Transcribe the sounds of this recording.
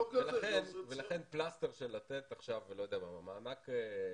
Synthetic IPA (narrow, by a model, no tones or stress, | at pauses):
velaχenvelaχenplasteʁʃelatet̪aχʃavelo̞jd̪eamamamaːmake